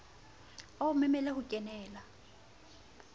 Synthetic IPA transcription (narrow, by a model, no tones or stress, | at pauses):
aumɛmɛlɛhʊkʼɛnɛːla